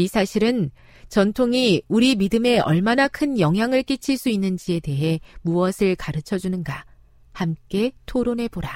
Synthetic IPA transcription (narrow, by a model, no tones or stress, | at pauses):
isʰaɕʰiɾɯn | t͡ɕʌntʰoŋiuɾimidɯme̞ʌ̰ɭmanakʰɯnjʌŋɦjaŋɯɭk͈it͡ɕʰiɭs͈uinːɯnd͡ʑie̞de̞ɦe̞muʌsʰɯɭkaɾɯt͡ɕʰʌd͡ʑunɯnɡa | hamk͈e̞tʰoɾone̞boɾa